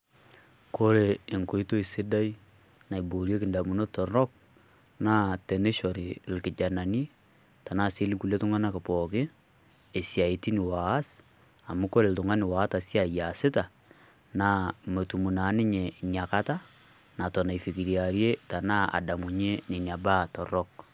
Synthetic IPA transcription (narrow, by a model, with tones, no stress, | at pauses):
ko˦ɾe˨ɪ˨ŋko˦i˦to˦i˨sɪ˦da˦i˦ | na˨i˨bo˨ɾje˦kɪ˨nda˨mu˨no˦tɔ˨ɾɔ˦k̚ | na˦tɛ˨ne˦ʃɔ˨ɾi˨lkɪ˨d͡ʒa˨na˨ni˦ | ta˨na˦˨si˦lku˨le˦tʊ˦ŋa˦na˦kɪ˨pɔ˨kɪː˦˨ | sja˨i˨ti˦nɪ˨wa˨a˦s | a˨mʊ˦ko˦le˨ltʊ˨ŋa˦nɪ˨wa˨˦ta˨sja˨ja˨sɪ˦ta˨ | na˨mo˨tu˨mu˨na˨˦nɪ˦ɲe˨ɲja˨ka˦ta˦ | na˨tɔ˨na˨i˨fi˨ki˨ɾja˨ɾje˦ta˨na˦a̰˨da˨mu˨ɲe˦ne˨ɲa˨ba˦tɔ˨rɔ˦k